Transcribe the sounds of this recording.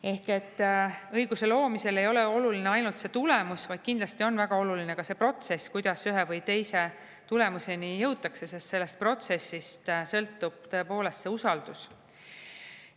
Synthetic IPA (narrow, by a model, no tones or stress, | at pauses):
e̞hke̞t̪ːɤjɡ̥use̞lo̞ːmise̞le̞jo̞leo̞lulineɑjnult̪se̞t̪ule̞musvɑjd̪̥̚kind̪̥lɑst̪io̞nːvæɡ̥ɑo̞lulinekɑse̞pro̞t̪se̞skujd̪̥ɑsyɦe̞vɤjt̪e̞jse̞ | t̪ule̞muse̞nijɤwt̪ːˑɑkse̞se̞st̪se̞lːe̞st̪̚pro̞t̪se̞sːist̪sɤ̞lt̪ːˑub̥̚t̪ɤ̞e̞po̞ːle̞st̪se̞usɑld̪us